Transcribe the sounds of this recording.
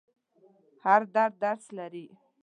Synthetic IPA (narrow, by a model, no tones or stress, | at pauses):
haɾd̪aɾd̪aɾslaɾi